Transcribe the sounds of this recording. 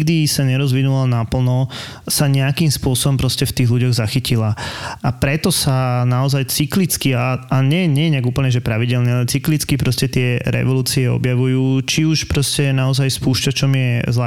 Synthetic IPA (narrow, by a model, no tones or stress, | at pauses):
ɡd̪isaɲɛɾɔzʋinulanapl̩nɔ | saɲɛakiːmspʊɔsɔbɔmpɾɔscɛft̪iːɣluɟɔɣzaxicilaʔapɾɛt̪ɔsanaɔzajt͡siklit͡skiaaɲɛjɛɲɛjɛɲɛaɡuːpl̩ɲɛʒɛpɾaʋiɟɛlnialɛt͡siklit͡skipɾɔscɛt̪ɪɛɾɛ̰ʋɔluːt͡siɛɔ̰bjaʋujuːt͡ʃiuʃpɾɔscɛnaɔzajspuːʃcat͡ʃɔmjɛzlɛ